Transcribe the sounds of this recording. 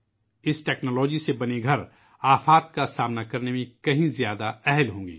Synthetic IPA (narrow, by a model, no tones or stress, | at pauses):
ɪsʈɛːknoːlɔːd͡ʒisebɐneɡʱɐɾ | aːfaːt̪̚kasaːmnakɐɾnemẽkɐɦĩzjaːd̪aɛɦlɦõːŋɡḭː